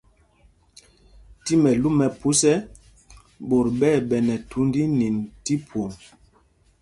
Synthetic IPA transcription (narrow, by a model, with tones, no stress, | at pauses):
ti˦mɛ˨lu˦mɛ˨pu˦sɛ˦ | bo˨ɾbɛ˦˨ɓɛ˨nɛ˨tʰu˨˦ndi˦ni˨n˨ti˦pʰwo˨ŋ